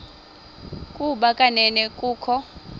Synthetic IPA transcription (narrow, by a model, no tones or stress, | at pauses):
kʼuɓakʼanɛnɛkʼuːkʰɔ